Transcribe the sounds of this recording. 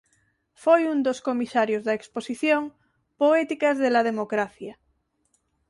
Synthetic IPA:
fojund̪oskomisaɾjozðaeksposiθjõŋ | poet̪ikazðelað̞emokɾaθja

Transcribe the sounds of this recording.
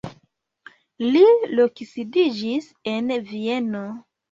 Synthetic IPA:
lilokisidid͡ʒis | envieno

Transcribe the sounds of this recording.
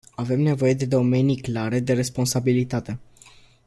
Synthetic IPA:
ave̞mne̞vo̞je̞d̪e̞d̪o̞me̞nijklaɾe̞d̪e̞ɾe̞spo̞nsabilit̪at̪e̞

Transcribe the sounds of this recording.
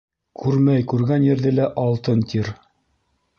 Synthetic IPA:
kʰʉɾmæjkʉɾɡænjɘ̆ɾðɘlæʔɑlˠt̪ɤnt̪ʰiɾ

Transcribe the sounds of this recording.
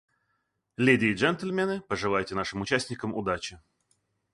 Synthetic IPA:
lʲidʲɪːʐɛnt̪əlʲmʲenɨpəʐɨlˠajɪtʲɪnaʂɨmʊt͡ɕæsʲtʲnʲɪkəmʊ̰d̪at͡ɕɪ

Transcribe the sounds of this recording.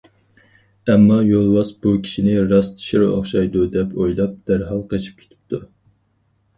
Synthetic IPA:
ɛmːɑjolˠwɑsb̥ukʲʰi̥ʃinɪɾɑst̪ʰi̥ʃiɾɑ̰χʃɑjd̪ud̪ɛpʰojlˠɑp̚d̪̥æɾɦɑlˠqʰet͡ʃʰi̥p̚kʲʰe̥t̪ʰɪ̥p̚t̪ʰu

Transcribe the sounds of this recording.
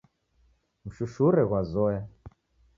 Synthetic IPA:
m̩ʃuʃuɾɛɣwazɔja

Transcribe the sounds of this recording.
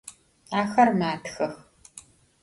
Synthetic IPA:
aːxɐrmaːtxɐx

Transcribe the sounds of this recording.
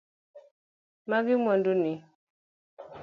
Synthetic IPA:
maɣimanduni

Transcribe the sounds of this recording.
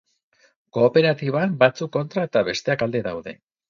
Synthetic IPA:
ko̞ːpe̞ɾat̪iβambat͡sukːo̞nt̪ɾae̞t̪aβe̞st̪e̞akald̪e̞ða̰wðe̞̰

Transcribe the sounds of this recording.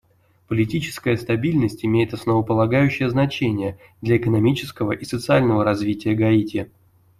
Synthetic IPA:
pəlʲɪtʲit͡ɕɪ̥skəjəst̪ɐbʲilʲnəsʲtʲɪmʲejɪt̪ɐsnəvəpəlˠɐɡajʉɕːɪjəznɐt͡ɕenʲɪjə | d̪lʲɐɪkənɐmʲit͡ɕɪskəvə̰ʔisət̪sɨalʲnəvəɾɐzvʲitʲɪjəɡɐitʲɪ

